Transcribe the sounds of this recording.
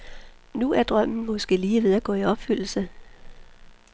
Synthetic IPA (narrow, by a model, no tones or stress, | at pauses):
nuæɐd̥ʁɶm̰n̩mɒ̽sɡ̥e̝̰ːliːʋe̝ð̞ˠæɡ̥ɔ̰ːiɒ̽b̥fyl̰l̩sə